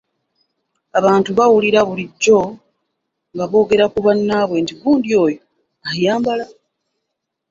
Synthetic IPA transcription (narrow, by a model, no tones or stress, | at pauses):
aβaːntuβawuliɾaβuliɟːo̞ | ŋɡaβo̞ːɡe̞ɾakuβanːaːβwe̞ːntiβuːndio̞ːjo | ajaːmbala